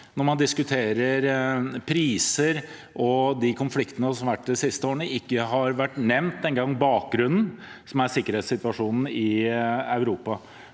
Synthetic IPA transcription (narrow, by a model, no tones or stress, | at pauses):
nɔɾmɑnd̪ɪskʉt̪ʰeːɾəɾpʰɾiːsəɾ | ʔɔd̪ɪkʰʊnflɪkt̪ənəsɔmɑʋæʈːd̪ɛsɪst̪əoːəɳəɪkːəɦɑɾʋæʈːnɛmnt̪̚d̪ɛŋɡɑŋːbɑːk̚ɡɾʉnn̩ | sɔmæɾsɪkːəɾeːt̪sɪt̪ʋɑʂuːnn̩ɪɑʉɾuːpɑ